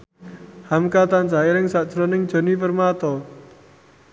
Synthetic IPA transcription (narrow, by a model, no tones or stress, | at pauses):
hamkat̪ansaelɪŋsad̥t͡ʃɾɔnɪŋd̥ʒ̥o̤nipərmat̪ɔ